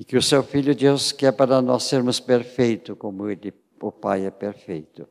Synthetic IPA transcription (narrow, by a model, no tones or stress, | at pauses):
ɪkɪʊsewfiʎjʊd̪iwskɪɛpaɾɐnɔsːeɾmʊspeɾfejt̪ʊkõmʊelɪ | ʊpajɛpeɾfejt̪ʊ